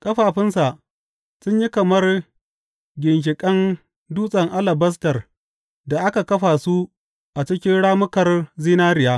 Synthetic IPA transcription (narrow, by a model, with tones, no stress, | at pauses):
kʼɐ˦ɸaː˨ɸɪ˦nsa˨ʔ | sʊ˦ɲji˦kɐ˨mɐ˦r | ɡʲɪ˨nʃ̬ɪ˨kʼɐ˦n | duː˦sʼɐ˨ŋʔa˦lɐ˨bɐ˦s̬tɐ˨r | da˨ʔa˦ka˨kɐ˦ɸaː˨su˦ | ʔa˨t͡ʃɪ˦kʲɪ˦nɽaː˦mʊ˦kɐ˨rziː˦naː˦ɾɪ˨jaː˦